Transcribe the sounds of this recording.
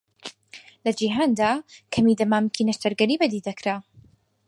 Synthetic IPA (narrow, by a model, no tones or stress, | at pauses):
lɐd͡ʒiɦaːnd̪aːkʰɐmid̪ɐmaːmkʰinɐʃt̪ɐɾɡɐɾiːbɐd̪iːd̪ɐkʰɾa